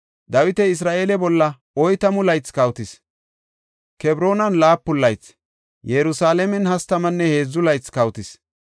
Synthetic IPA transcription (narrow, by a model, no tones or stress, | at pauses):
d̪ɐwɪt̪ɛɪs̬ɾaːʔeːlɛbɔlːɐ | ɔjt̪ɐmʊlɐjt͡skɐwt̪ɪs | kɛbɾo̞ːnɐnlaːpːʊlːɐjt͡s | jɛɾʊsaːlɛmɛnhɐst̪ɐmɐnːɛhe̞ːzːʊlɐjt͡skɐwt̪ɪs